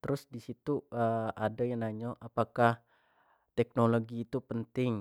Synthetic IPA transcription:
t̪əɾʊsdisit̪uəadajaŋnaɲɔʔapakah | t̪ɛk̚noloɡiːt̪upənt̪ɪŋ

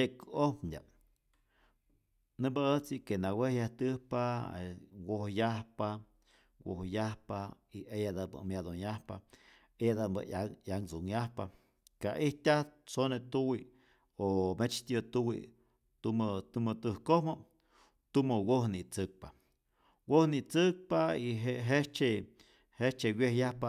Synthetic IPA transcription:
ekɨohpɲdʲa̰ | nɨbaət͡sikenawehjaht̪ɨhpaewohjahpa | wohjahpa | iʔejad̪abɨ̰mjad̪onjahpa | ejad̪aba̰ajaŋt͡suŋjahpa | kaʔiht̪ʲaht͡sonet̪uwi | omet͡ʃt̪ʲɨt̪uwḭ | t̪umt̪umɨt̪ɨhkohmo | t̪umowohnit͡sɨk̚pa | wohnit͡sɨk̚paiɦeʔɦet͡ʃe | het͡ʃewjehjahpa

